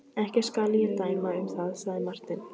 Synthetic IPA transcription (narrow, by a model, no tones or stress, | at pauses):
ɛhcɛ̥skalɪjɛt̪aːjmaʏmθaðsaɣðɪmar̥t̪ɪn